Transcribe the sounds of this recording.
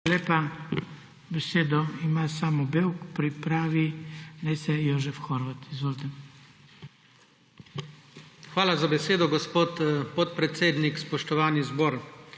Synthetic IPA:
leːpa | bɛseːd̪ɔimasaːmɔbewkpɾipɾaːʋinɛsɛjoːʒɛfxɔɾʋat̪izʋoːlt̪ɛ | xʋaːlazabɛseːd̪ɔɡɔspoːt̪pɔt̪̚pɾɛt̪seːd̪nikspɔʃt̪ɔʋaːnizbɔːɾ

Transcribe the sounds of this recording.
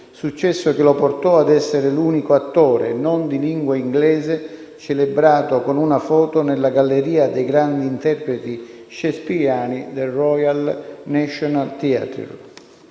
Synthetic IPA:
sut͡ʃːɛsːok̟ɪlɔport̪ɔad̪ɛsːeɾɪluːnikoat̪ːɔːɾḛnond̪iliŋɡwaiŋɡlɛːzɪ | t͡ʃelebɾaːt̪okonunafɔːt̪onɪlːaɡalːeɾiːad̪ɛjɡɾand̪iːnt̪ɛrpɾet̪i | ʃɛspijaːnid̪erɔjalnɛʃɔnalt̪ia̰t̪

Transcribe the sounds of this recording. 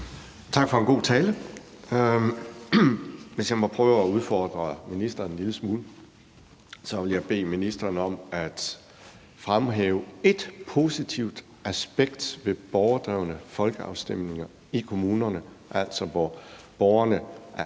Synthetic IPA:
t͡sʰɑ̈ɡ̥fɒ̽e̝nɡ̥o̝̰ːt͡sʰɛːlə | ʋe̝sjɑ̈ɪmɒ̽pʰʁœːʊæuð̞ˠfɒːd̥ʁɐminisd̥ɐnliləsmuːl | sɒ̽ʋe̝ljɑ̈ɪb̥e̝̰ːminisd̥ɐnəɒ̽mæd̥ | fʁamɦɛːʊe̝d̥pʰo̝sit͡sʰiʊ̰d̥ | æsb̥eɡ̥d̥ʋe̝b̥ɒʊɐd̥ʁaʊnəfɒ̽lɡ̥əɑ̈ʊsd̥em̰ne̝ŋɐ | ikʰo̝muːnɐnə | ʔæl̰sɒ̽ʋɒ | b̥ɒʊɐnəʔæɐ

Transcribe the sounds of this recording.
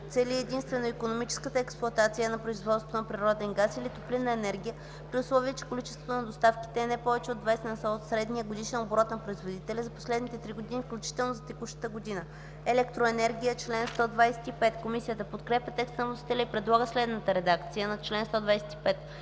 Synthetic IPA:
t̪sɛliɛd̪inst̪vɛnoikonomit͡ʃɛ̥skət̪əɛksplˠʊɐt̪at̪sijənɐpɾoizvɔt̪st̪vo̥t̪onɐpɾiɾɔd̪ɛnɡasilit̪oplinːɐɛnɛɾɡʲijə | pɾiʊslˠɔviət͡ʃɛ̥kolit͡ʃɛst̪vot̪onɐd̪ost̪afki̥t̪ɛːnɛpɔvɛt͡ʃɛod̪vajsɛnɐsaot̪sɾɛd̪nijəɡod̪iʃɛnobɾɔt̪nɐpɾoizvod̪it̪ɛlʲɛzɐpo̥slɛd̪nit̪ɛt̪ɾiɡod̪inifklʲut͡ʃi̥t̪ɛlˠnozɐt̪ɛkuʃt̪ə̥t̪əɡod̪inə | ɛlɛkt̪ɾoɛnɛɾɡʲijət͡ʃlɛnst̪ɔd̪vajsɛ̥t̪ipɛt̪komisijət̪əpot̪kɾɛpʲjɐt̪ɛkst̪ənɐvlˠɐsi̥t̪ɛlʲɛipɾɛd̪lˠaɡəslɛd̪nət̪əɾɛd̪akt̪sijənɐt͡ʃlɛnst̪ɔd̪vajsɛ̥t̪i̥pɛt̪

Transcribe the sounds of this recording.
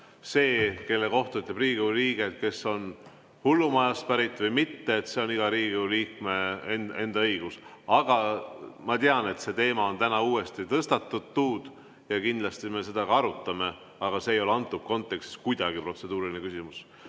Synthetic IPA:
se̞ːke̞lːe̞ko̞ht̪ɑyt̪lɑbriːɡ̥iliːɡ̥e̞t̪̚ke̞sːo̞n | hulːumɑjɑspæɾit̪ːˑvɤjmit̪ːe̞ːt̪se̞o̞niɡ̥ɑɾiːɡiliːkme̞ene̞nd̪ɑɤjɡ̥usɑɡ̥ɑmɑt̪eɑne̞t̪se̞t̪e̞ːmɑo̞nt̪ænɑuːe̞st̪it̪ɤst̪ɑt̪ːud̪̚t̪ːuːd̪̥ | jɑkind̪lɑst̪ime̞se̞d̪ɑɡ̥ɑɑɾut̪ːˑɑme̞ | ɑɡ̥ɑse̞ejo̞leɑnt̪ːˑub̥̚ko̞nt̪ˑːe̞kst̪i̥skujd̪̥ɑɡ̥ipro̞t̪se̞d̪uːɾilinekysimus

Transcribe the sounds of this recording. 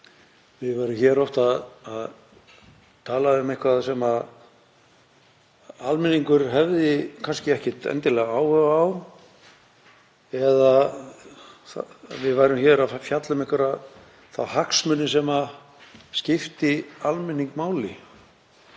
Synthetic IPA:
vɪðvajɾʏmçɛːɾɔht̪aðað | t̪ʰaːlaðʏmehkʰvaðasɛma | almɪniŋkʏɾ̥ɦɛvðɪkʰanscɪɛhcɪt̪ɛ̰nt̪ɪlɛɣaaːwhœvaːw | ɛða | vɪðvaːjɾʏmçɛːɾafjat̪lʏmɪhkvʏɾa | θa̰whaksmʏnːɪsɛma | scɪft̪ɪalmɪnːiŋkmaːwlɪ̰

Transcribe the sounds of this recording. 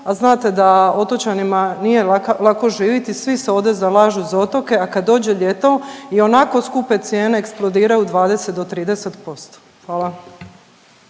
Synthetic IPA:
aznaːt̪e̞d̪ao̞t̪o̞t͡ɕanimanije̞lako̞ʒiːʋit̪isʋiseo̞ʋd̪ezalaːʒuzo̞t̪o̞ke̞akad̪dːo̞ːd͡ʑeʎet̪oio̞nako̞skupe̞t̪sjeːneːksplˠo̞d̪iːɾajud̪ʋaːd̪eset̪̚d̪o̞t̪ɾiːd̪eset̪po̞st̪o̥ | xʋaːla

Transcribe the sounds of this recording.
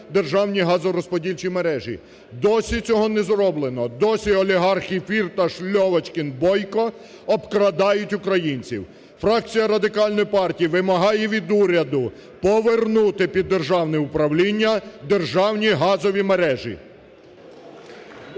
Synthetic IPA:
d̪erʒɑwnʲiɦɑzɔɾɔspɔdʲilʲt͡ʃimeɾɛʒḭ | d̪ɔsʲit͡sʲɔɦɔnɛzɾɔblˠenɔd̪ɔsʲiɔlʲiɦɑrxʲifʲirt̪ɐʃlʲɔʋɐt͡ʃkɪnbɔjkɔ | ɔbkɾɐd̪ɑjʊtʲʊkɾɐjinʲt͡sʲiw | fɾɑk̚t͡sʲijɐɾɐd̪ɪkɑlʲnɔjpɑrtʲijiʋɪmɐɦɑjɛʋʲid̪uɾʲɐd̪ʊ | pɔʋernut̪ɪpʲid̪ːerʒɑwnɛʊpɾɐwlʲinʲːɐd̪erʒɑwnʲiɦɑzɔʋʲimeɾɛʒḭ

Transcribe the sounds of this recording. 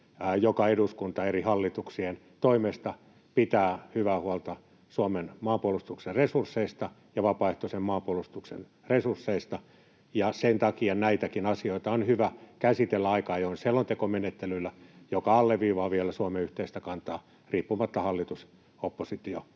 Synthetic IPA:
jokɑeduskunt̪ɑerihɑlːit̪uksien | t̪oimest̪ɑ | pit̪æːhyʋæhuɑlt̪ɑ | suomenmɑːmpuolust̪ukserresursːeist̪ɑ | jɑʋɑpɑeht̪osemɑːmpuolust̪uksḛn | resursːeist̪ɑ | jɑsent̪ɑkiɑnæit̪ækinɑsioit̪ɑonhyʋækæsit̪elːæɑikɑjonsielːont̪ekomenet̪ːelylːæjokɑɑlːeʋʋiːʋɑːʋielæsuɑmeyht̪eist̪ækɑnt̪ɑː | riːpːumɑt̪ːɑhɑlːit̪us | opːosit̪io

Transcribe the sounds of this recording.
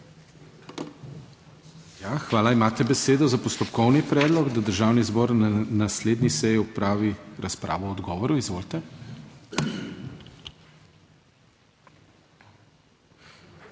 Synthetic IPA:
jaxʋaːlaimaːt̪ɛbɛseːd̪ɔzapɔst̪ɔpkɔwnipɾɛːd̪lɔɡd̪ad̪əɾʒawnizbɔɾnanasleːd̪nisɛjiɔpɾaːʋiɾʔaspɾa̰ːʋɔːd̪ɡɔːʋɔɾuizʋolt̪ɛ

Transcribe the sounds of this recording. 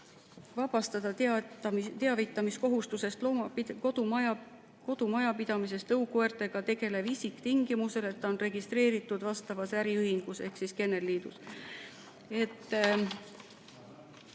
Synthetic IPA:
vɑb̥ɑst̪ɑd̪̥ɑt̪ | t̪eɑvit̪ːˑɑmisko̞ɦust̪use̞st̪lomɑkod̪̥umɑj | ko̞d̪̥umɑjɑpid̪̥ɑmis̬e̞st̪ɤwkoeɾt̪e̞ɡ̥ɑt̪e̞ɡ̥e̞le̞bisikt̪iŋɡ̥imuse̞le̞t̪ːɑonre̞ɡ̥ist̪ɾe̞ːɾit̪ːˑud̪̥vɑst̪ɑvɑsæɾiɯɦhiŋɡ̥use̞hksiske̞nːe̞lːiːd̪̥us | e̞t̪ː

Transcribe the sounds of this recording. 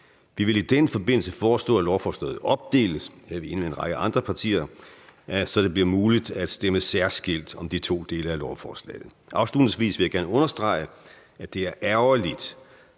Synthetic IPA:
ʋiʋe̝lid̥enfɒ̽be̝n̰l̩səfɒːsd̥ɔ̰ːælɒʊfɒːslɛ̰ːð̩ˠɒ̽b̥̚d̥e̝̰ːləshæʋie̝nəmeenʁɑ̈ɡ̥əʔɑ̈nd̥ʁɐpʰɑ̈t͡sʰḭːɐ | æsɒ̽d̥e̝bliɐmuːlid̥æd̥sd̥eməsæɐ̰sɡ̥e̝l̰d̥ɒ̽md̥it͡sʰo̝̰ːd̥e̝ːləælɒʊfɒːslɛ̰ːɪð̩ˠʔɑ̈ʊslud̥nɪ̝ŋsʋḭːsʋe̝jɑɡ̥æɐnəɔ̽nɐsd̥ʁɑ̈ɪə | æd̥e̝æɐʔæʊɐlid̥

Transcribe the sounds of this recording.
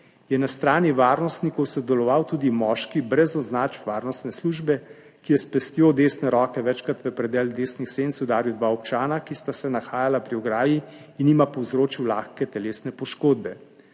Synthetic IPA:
jɛnast̪ɾaːniʋaːɾnɔst̪nikɔwsɔd̪ɛlɔʋawt̪uːd̪imɔːʃkibɾɛzɔznaːt͡ʃʋaːɾnɔst̪nɛsluʒbɛ | kijɛspɛst̪joːd̪eːsnɛɾɔːkɛʋɛt͡ʃkɾat̪ʋəpɾɛd̪ɛːld̪eːsnixsent̪sud̪aːɾjuwd̪ʋaːɔpt͡ʃaːnakist̪asɛnaxaːjalapɾiɔɡɾaːji | inimapɔwzɾoːt͡ʃiwlaːxkɛt̪ɛleːsnɛpɔʃkoːd̪bɛ

